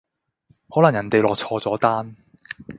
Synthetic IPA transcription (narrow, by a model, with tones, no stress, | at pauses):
hoː˨˥lɐ˨ŋjɐ˨˩nt̪e˨jlɔː˨k̚t͡sʰɔː˧t͡sɔː˨˥t̪aː˥n